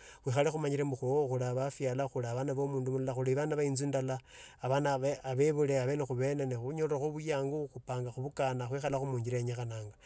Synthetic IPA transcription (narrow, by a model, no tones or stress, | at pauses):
xwixalexumaɲiɾembuxooxulaβafjalaxulaβanaβo̞muːndumullaxuliβanaβainzundalaː | βanaβeaβeβule̞aβeːnexuβe̞nenixuɲolraxoβujaːŋɡuxupaːŋɡaxuβukanaxwixalaxumuːɲɟiɾeɲexanaːŋɡa